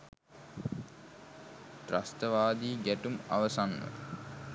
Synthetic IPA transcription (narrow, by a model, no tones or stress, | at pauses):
tra̰st̪əʋaːd̪iːɡæʈuma̰ʋəsanːə̰